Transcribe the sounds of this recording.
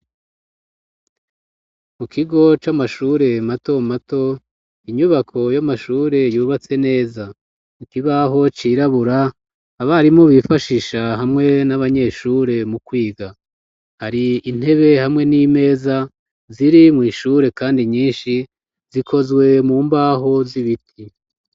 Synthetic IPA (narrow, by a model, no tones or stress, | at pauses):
mukʰiɡo̞t͡ʃamaʃuːɾe̞mato̞mato̞ | iɲuβakʰo̞jamaʃuːɾe̞juːβat͡se̞ne̞ːza | ikiβaɦo̞t͡ʃiɾaβuɾaː | βaɾimoβifaʃiʃaɦamŋe̞naβaɲe̞ʃuːɾe̞mukwiːɡa | haɾiːn̥he̞βe̞hamŋe̞nime̞ːza | ziɾimŋiːʃuːɾe̞kaːndiɲiːnʃi | z̥ikʰo̞zwe̞muːmbaːɦo̞ziβitʰi